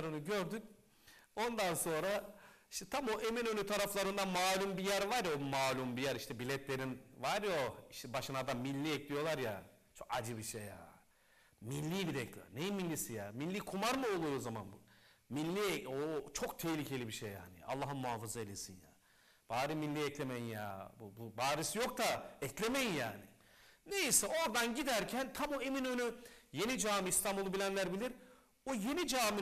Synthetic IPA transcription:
ɾɯnuɟø̞ɾd̪yn | o̞nd̪anso̞nɾai̥ʃt̪ʰɛt̪ʰamo̞ʔeminønyt̪ʰaɾaflˠaɾɯnd̪anmaːlʲumbijæɾvaɾjaomaːlʲumbijæɾiʃt̪ʰɛbilʲɛt̪lʲe̞ɾinvaɾjo̞iʃt̪ʰɛbaʃɯnad̪amilʲːiɛclʲijo̞lˠaɾja | t͡ʃʰo̞kad͡ʒɯbiʃeja̰ | milʲːiːbiɾɛclʲḭjo̰nejimilʲːisijamilʲːiːkʰumaɾmuo̞lˠujo̞zamanbumilʲːiɛot͡ʃʰok̚t̪ʰehlʲicʰe̞lʲibiʃejːa̰ːnḭa̰lˠːaɦɯnmuɦaːfɯzaelʲesinja̰ː | b̥aːɾiminlʲːiɛclʲe̞mejinja̰bububaːɾisjo̞k̚t̪ʰaɛclʲe̞mejinjaːnɪ | ne̞jisɛo̞ɾd̪anɟid̪æɾcʰænt̪ʰamoeminønyje̞nid͡ʒaːmist̪ʰambulˠɯbilʲænlʲæɾbilʲiɾ | oje̞nid͡ʒaːmi

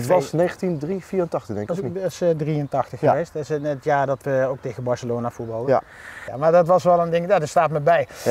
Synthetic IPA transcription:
ətʋɑsnejχəntindrifiːɾəntɑχtədɛŋksdriəntɑxtəxəʋejstɪsətjaːɹdɑtʋəoktejɣənbɑɹsəloːnafuɹbɑlˠəamaːɹdtʋɑsʋɛlˠəndɪŋjaːdəstaːtməbɛj

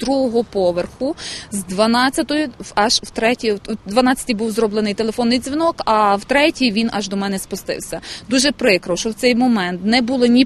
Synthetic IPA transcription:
d̪ɾuɦɔɦɔpɔʋerxʊzd̪ʋɐnɑt͡sʲːɐt̪ɔjʊɑʒwt̪ɾɛtʲid̪ʋɐnɑt͡sʲːɐ̥t̪ʲijbuwzɾɔblˠenɪjt̪elˠefɔnːɪjd̪zʲʋʲinɔkɐwt̪ɾɛtʲijʋʲinʔɑʒd̪ɔmɛnɛspʊst̪ɪ̰wsʲɐd̪uʒɛpɾɪkɾɔwʃɔwt̪sɛjmɔmɛnt̪nɛbulˠɪnʲi

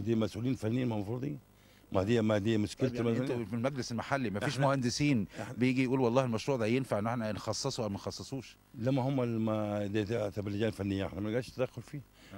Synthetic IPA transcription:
d̪iːmæsʔuːliːnfænːeːænmæmfɾˤd̪ˤiːn | mæd̪ejːæmæd̪ejːæmʊʃkelt̪ææilmæɡleselmaħalːimæfiːʃmohænd̪esiːnbejeɡijʔuːlwɑlˤːɑːhelmæʃɾuːʕd̪æjenfaʕʔenːʔeħnænxɑsˤːɑsˤuʔæwmænxɑsˤːɑsˤuːʃ | læmːæhomːælmæd̪et̪t̪æblid͡ʒæːfænːejːæʔḛħnæmænɡæːʃt̪æd̪æxːolfiː

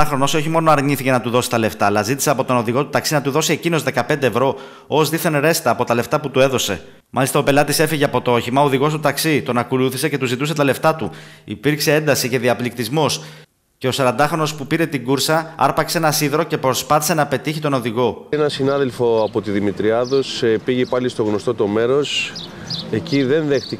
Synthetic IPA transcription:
ɐxɾo̞no̞so̞çimo̞no̞ɐɾɲiθicenɐt̪uðo̞si̥t̪ɐle̞ft̪ɐːlɐzit̪i̥seɐpo̞t̪o̞no̞ðiɣo̞t̪u̥t̪ɐksinɐt̪uðo̞sie̞cino̞zðe̞kɐpend̪eːvɾo̞ | ozðiθeneɾe̞st̪ɐːpo̞t̪ɐle̞ft̪ɐput̪ue̞ðo̞se̞ | mɐlist̪ɐo̞pe̞lɐt̪ise̞fiʝeɐpo̞t̪oo̞çimɐoðiɣo̞st̪ut̪ɐksit̪o̞nɐkoluθise̞ce̞t̪uzit̪use̞t̪ɐle̞ft̪ɐt̪uipiɾkse̞e̞nd̪ɐsice̞ðiɐplikt̪izmo̞s | ce̞o̞sɐɾɐnd̪ɐxɾo̞no̞spupiɾe̞t̪iɡuɾsɐɐ̰ɾpɐkseenɐsiðɾo̞ce̞pɾo̞spɐθise̞nɐpe̞t̪içit̪o̞no̞ðiɣo̞enɐsinɐðelfo̞ɐpo̞t̪iðimit̪ɾiɐðo̞sepiʝepɐlist̪o̞ɣno̞st̪o̞t̪o̞meɾo̞s | e̞ciðe̞nðext̪i

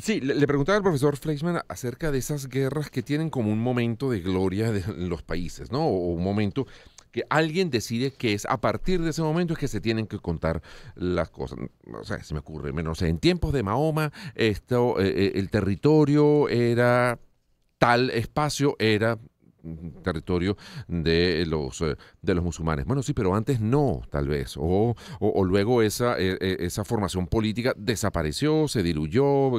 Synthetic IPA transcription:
sille̞pɾe̞ɣunt̪aβaːlpɾo̞fes̬o̞ɾflejsmãnase̞ɾkaðeesazɡe̞rasket̪je̞ne̞ŋko̞mounmo̞mẽ̞nt̪o̞ðe̞ɣlo̞ɾjaðenlo̞spaise̞sno̞ːunmo̞mẽ̞nt̪o̞keʔalɣje̞nd̪e̞siðe̞keesa̰paɾt̪iɾðes̬emo̞mẽnt̪oekeset̪je̞neŋke̞ko̞nt̪aɾla̰sko̞̰sa̰so̰sḛa̰seme̞okurḛmenosea̰ent̪je̞mpozðemao̞maest̪oeʔelt̪e̞rit̪o̞ɾjo̞e̞ɾa | t̪alespasjo̞ʔe̞ɾa | t̪e̞rit̪o̞ɾjo̞d̪elo̰sd̪e̞lo̞zmusulmã̰nebwe̞no̞sipe̞ɾo̞ant̪e̞sno̞t̪a̰lβe̞̰soʔːlwe̞ɣ̞o̞esaʔeeʔesafo̞ɾmasjo̞mpo̞lit̪ikad̪e̞sapaɾe̞sjo̞se̞ðiluʝo̞

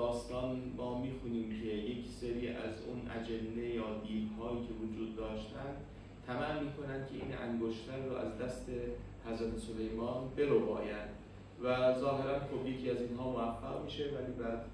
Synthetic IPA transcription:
ɒːst̪ɒːnmɒːmiːxuːniːmcʰe̞je̞cʰseɾiːʔæ̰zṵnʔæ̰d͡ʒend̪ejɒːd̪iːd̪hɒːjiːcʰe̞vod͡ʒuːd̪̚ːɒːʃt̪ænd̪ | t̪ʰæmænmiːkʰo̞nænd̪̥̚kʲʰe̞ʔḭːnʔæ̰ŋɡoʃt̪ʰæɾːoʔæ̰zd̪æst̪e̞ | hæzɾæt̪ʰesole̞jmɒːnbe̞ɾobɒːjænd̪̥ | væzɒːɦe̞ɾænxobje̞cʰiːæziːnɦɒːmoæfːæɣmiːʃe̞væliːbæɾd̪

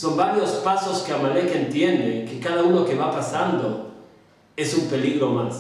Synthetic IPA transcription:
sombaɾjospasoskeamalekent̪jend̪ekekaðaunokeβapasand̪o | esumpeliɣɾomas

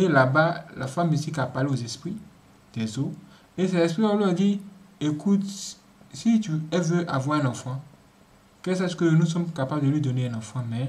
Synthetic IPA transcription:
elabala̰fãmĩsikapaleozespɾi | d̪̥ɛzo | es̬ɛespɾiwɔloɛd͡ʑiekut̪ | sit̪uɛveʔavwaɛnãfã | kɛs̬ɛ̃skejenũsɔ̃mkapabd̪elwid̪oneɛnãfãmɛ̃

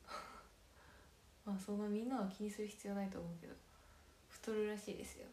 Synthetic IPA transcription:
masõ̞nːamʲĩnːaβakʲiɲ̟isɨɾɯ̟çi̥t͡sɨjo̞ːnait̪oːmo̞ɯ̟ke̞d̪oo | ɸɯ̟̥t̪oɾɯ̟ɾaɕiːd̪e̞sɨjo̰

